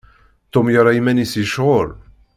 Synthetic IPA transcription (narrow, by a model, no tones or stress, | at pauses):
t̪ʊmjaɾˤɑimænisiʃʁʊl